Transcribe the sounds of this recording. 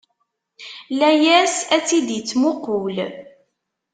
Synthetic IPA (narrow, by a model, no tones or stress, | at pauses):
læjæsæt͡sːid̪jət͡sːmʊqul